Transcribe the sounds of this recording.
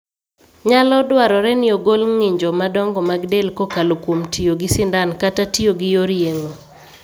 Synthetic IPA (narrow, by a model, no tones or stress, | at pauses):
ɲalɔdwaɾɔɾɛnɪoɡolŋɪɲd͡ʒɔmadɔŋɡɔmaɡdelkokalokwomtʰioɡɪsɪndankatatioɡɪjoɾjeŋo